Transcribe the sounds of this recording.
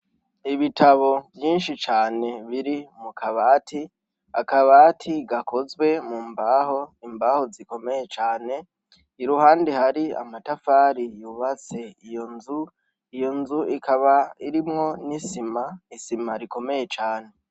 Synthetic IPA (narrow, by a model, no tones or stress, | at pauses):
iβitʰaβo̞vjiːnʃit͡ʃaːne̞βiɾimukʰaβaːtʰi | a̰kaβaːtʰiɡakʰo̞zwe̞muːmbaːho̞imbaːho̞ziko̞me̞je̞t͡ʃaːne̞ | iɾuhaːndehaɾia̰matafaːɾijuβat͡se̞ijo̞nzu | ijo̞nzuʔikʰaβaiɾimŋo̞nisimaisimaɾiko̞me̞je̞t͡ʃaːne̞